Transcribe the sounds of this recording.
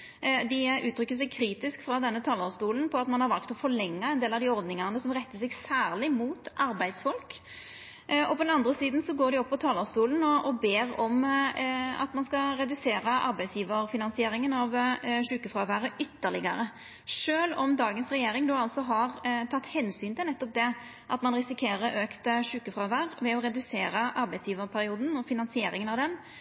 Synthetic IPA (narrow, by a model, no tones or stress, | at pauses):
d̪ɪʔʉːt̪ʰɾʏkːəs̬ɛɡ̚kʰɾiːt̪ɪskfɾɑd̪ɛnːət̪ʰɑːlɔst̪uːln̩pʰɔɑt̪mɑnhɑɾʋɑlkt̪ɔfɔɭɛŋːɑɛnd̪eːlɑʋd̪ɪɔɾd̪nɪŋɑnəsɔmʁɛt̪ːəsɛɡsæːʁlɪmuːt̪ʔɑɾbæɪd̪sfɔlk | ɔpʰɔd̪ɛnɑnd̪ɾəsiːd̪n̩sɔɡoːd̪ɪɔpːɔt̪ʰɑːlɔst̪uːln̩ɔɔbeːɾɔm | ɑ̰t̪mɑnskɑɾɛd̪ʉseːɾəʔɑ̰ɾbæɪsjiːʋəɾfɪnɑnsɪeːɾɪŋənɑʋʂʉːkəfɾɑːʋæːɾəʔʏt̪ːəʁlɪɡɑɾə | ʂøːlɔmd̪ɑːɡənsɾɛjeːɾɪŋd̪oːɑlt̪sɔɦɑɾt̪ʰɑt̪ːhɛnsyːnt̪ʰɪlɛt̪ːɔp̚d̪ɛ | ʔɑ̰t̪mɑnɾɪsɪkʰeːɾəɾʔøːkt̪əʂʉːkəfɾɑːʋæːɾʋɛɔɾɛd̪ʉseːɾəʔɑɾbæɪsjiːʋəɾpʰæɾɪuːd̪n̩ɔfɪnɑnsɪeːɾɪŋənɑʋd̪ɛn